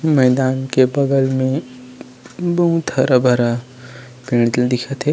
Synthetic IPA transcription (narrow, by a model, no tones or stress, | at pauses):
mɛːd̪aːnkebɐɡəlmẽ | bɐɦũt̪ɐɾabʱɐɾa | pĩːɽ̃t̪ld̪ɪkʰət̪ɦe